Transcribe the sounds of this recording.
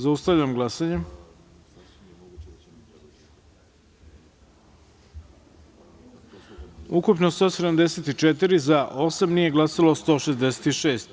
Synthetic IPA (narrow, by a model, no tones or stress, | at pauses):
zaust̪aʋʎamɡlˠasaɲe | ukupnost̪o̞ːsed̪amd̪eset̪it͡ʃet̪iɾizaʔo̞samnije̞ɡlˠasalost̪o̞ːʃezd̪eset̪iʃe̞ːst̪